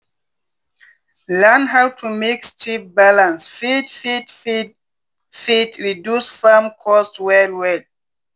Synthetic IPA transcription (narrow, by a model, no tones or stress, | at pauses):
lãnɦawtʰumikst͡ʃip̚balãnsfidfit | fitɹidjusfamkʰɔstwɛlwɛd̚